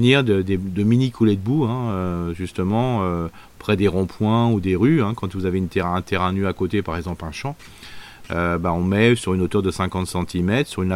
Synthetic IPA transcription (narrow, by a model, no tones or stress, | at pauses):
niʁd̪əd̪ed̪əminikʰuled̪əbuɛ̃øʒyst̪əmɑ̃ø | pχɛd̪eʁɔ̃pʰwɛ̃ud̪eʁyɛ̃kɑ̃t̪vuzaveynt̪eʁɛ̃ɛ̃t̪eʁɛ̃nyakot̪epaʁɛɡzɑ̃plɛ̃ʃɑ̃ | øbaɔ̃mɛsyʁynot̪œʁd̪əsɛ̃kɑ̃t̪sɑ̃t̪ʰimɛt̪χsyʁyn